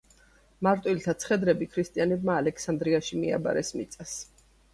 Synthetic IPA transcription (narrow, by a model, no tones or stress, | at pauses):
maɾt̪ʼwilt̪ʰat̪sʰχɛd̪ɾɛbikʰɾist̪ʼianɛb̚maːlɛkʰsand̪ɾiaʃimia̰ba̰ɾɛsmit̪sʼas